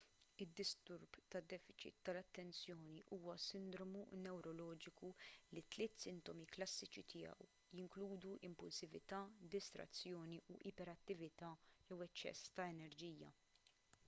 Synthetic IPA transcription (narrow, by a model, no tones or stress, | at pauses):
ɪd̪ːɪst̪ʊɾbt̪ɐd̪ːɛːfɪt͡ʃɪ̰t̪ːɐlɐt̪ːɛnsjɔːniʔuːwɐsɪnd̪ɾɔmunɛwɾɔlɔːd͡ʒɪkulit̪lɪːt̪sɪnt̪ɔmiklɐsːɪt͡ʃit̪ʰɪːjɐ̰w | jɪŋkluːd̪uʔɪmpʊlsɪvɪt̪ɐːd̪ɪst̪ɾɐ̰t͡sːjɔːniʔuʔɪpɛɾɐt̪ːɪvɪt̪ɐːjɛwɐt͡ʃːɛ̰sːt̪ɐɛnɛɾd͡ʒijːɐ̰